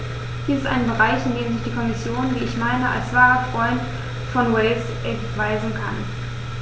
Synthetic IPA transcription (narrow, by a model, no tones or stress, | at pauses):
d̥iːsɪstʔa̰ɪnbəʁaɪçɪndeːmzɪçd̥iːkʰɔmɪsjoːnviːɪçmaɪnəʔa̰lsv̥aːʁɐfʁ̥ɔʏnt | fɔnwɛlsʔɛntv̥aɪzn̩kʰan